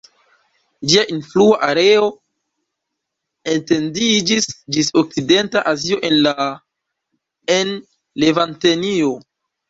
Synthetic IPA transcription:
d͡ʒiaʔinfluaʔaɾe̞o̞ | e̞nte̞ndid͡ʒisd͡ʒisok̚t͡side̞ntaʔazio̞ʔe̞nla | en | le̞vantenio̞

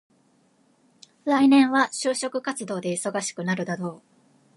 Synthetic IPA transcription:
ɾainẽ̞ɰ̃βaɕɨːɕo̞kɯ̟kat͡sɨd̪o̞ːd̪e̞iso̞ɡaɕi̥kɯ̟naɾɯ̟d̪ad̪o̞ː

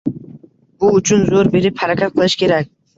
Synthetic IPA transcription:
bʊʊt͡ʃʰʊnzoɾbe̞ɾɪphaɾakʰʲat̪̚qʰɨlˠɪʃkʲʰe̞ɾak̚ʲ

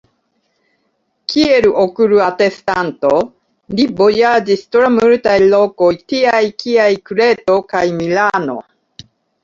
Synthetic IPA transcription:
kʰieɾuʔokɯɾuat̪e̞st̪ant̪o̞ | libo̞jad͡ʒist̪oɾamɯɾɯt̪ajlo̞ko̞jt̪iajkiajkuɾe̞t̪o̞kajmilano̞̰

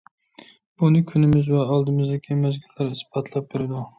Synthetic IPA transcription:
b̥unɪkʲʰynɪmɪzvɛɑlˠd̪ɨmɪzd̪ɪkʲimæzɡʲilːæɾisbɑt̪ʰlˠæp̚beɾɪd̪u

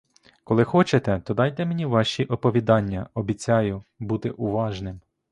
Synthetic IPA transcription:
kɔlˠɪxɔt͡ʃet̪ɛt̪ɔd̪ɑjt̪ɛmenʲiʋɑʃʲiʔɔpɔʋʲid̪ɑnʲːɐɔbʲit͡sʲɑjʊbut̪ɪʔʊʋɑʒnɪm

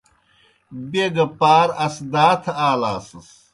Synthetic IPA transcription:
beɡɐpaːɾɐsd̪aːt̪ʰaːlaːsɐs

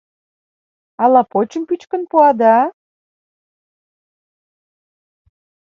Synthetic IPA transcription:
ɑlɑpot͡ɕəmpyt͡ɕkə̆npuɑd̪ɑ

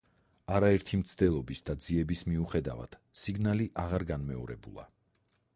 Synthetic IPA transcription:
aɾaɛɾt̪ʰimt̪sʰd̪̥ɛlˠɔbisd̪ad̪ziɛbismiuχɛd̪a̰va̰d̪̥siɡnaliʔaʁaɾɡanmɛɔɾɛbṵlˠa̰

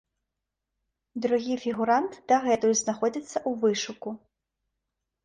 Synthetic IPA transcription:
d̪ɾʊɦʲifʲiɣʊɾant̪d̪̥ɐɣɛt̪ʊjznɐxɔd͡zʲisʲːɐʔuʋɪʃʊkʊ

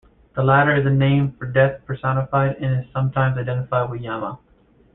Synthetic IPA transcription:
ðəlæɾə˞ɨzɨnẽɪ̃ɱfə˞dɛθpʰə˞sɑnəfaɪɾɨ̃nɨz̥sʌ̃mtʰãɪ̃mzaɪdɛ̃ɾ̃ɨfaɪd̚wɨðjæmə̰

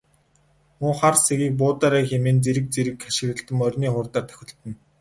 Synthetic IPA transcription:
mʊːχarseɣiːk̚p̬ʊːt̪aːɾæːxemeːnt͡seɾɘ̆k̚t͡seɾɘ̆kːaʃɪ̆ɣɘ̆ɬt̪ɘ̆mœrʲniːχʊːrt̪aːrt̪ʰœ̥xʲɪ̆ɬt̪ɘ̆n

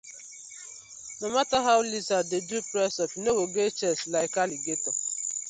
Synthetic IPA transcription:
nɔmataɦawʊlizadedupɾɛsɔfinowoɡet͡ʃɛslaɪkaliɡetɔ

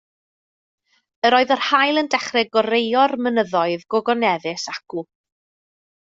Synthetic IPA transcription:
əɾɔːɨðɔrhajlˠəndɛχrɛɡɔɾejɔrmənəðɔɨðɡɔɡɔnɛðɪsaku

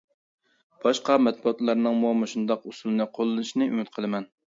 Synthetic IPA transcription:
b̥ɑʃqɑmɛt̪̚buɑt̪lˠɑɾnɨŋmuɑmɨʃund̪ɑqusulˠɨnɨqʰolˠːɨnɨʃnɨʔy̰mɪt̪qʰəlˠɨmɛn

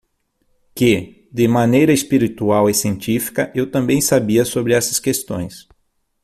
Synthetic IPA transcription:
kɪ | d̪ɪmãnejɾɐespiɾit̪uawesiẽnt͡ʃ̪ifi̥kɐʔewt̪ɐ̃mbẽj̃sabiɐsobɾɪɛsɐ̥skest̪õ̰j̃s

